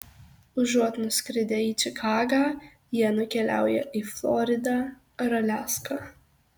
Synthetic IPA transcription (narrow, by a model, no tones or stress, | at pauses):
ʊʒuɔt̪nʊsʲkɾʲɪd̪ʲeiːt͡ʃʲɪkʰɑːɡɑː | jiɛnʊkʲɛlʲæ̰ˑʊjɛ̰ʔiːflˠɔɾʲɪd̪ɑ | ɾɐlʲæːskɑ